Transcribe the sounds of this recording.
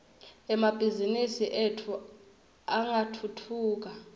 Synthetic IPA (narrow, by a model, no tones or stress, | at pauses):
ɛmab̥ʱizinisiʔetʰu | aŋatʰutʰuːk̬a